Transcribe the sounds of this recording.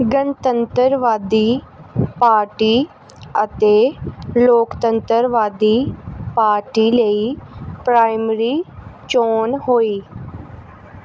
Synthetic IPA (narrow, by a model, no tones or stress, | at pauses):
ɡənt̪ə̃nt̪əɾʋaːd̪iːpaːɾʈiː | ət̪eːloːkt̪ə̃nt̪əɾʋaːd̪iːpaːɾʈiːləiːpɾaːɪmɾiːt͡ʃoːnɦoːiː